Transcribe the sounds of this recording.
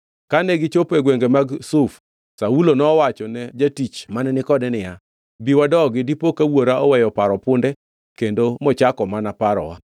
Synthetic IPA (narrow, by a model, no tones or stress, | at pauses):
kanɛɡɪt͡ʃopeɡweŋɡemaɡsuf | saulonɔːwat͡ʃɔnɛd͡ʒatit͡ʃmanɛnɪkɔdɛnɪja | biwadɔɡɪdipokawoɾaʔɔwɛjɔpaɾɔpʊndɛ | kendomɔt͡ʃakɔmanapaɾɔ̰wa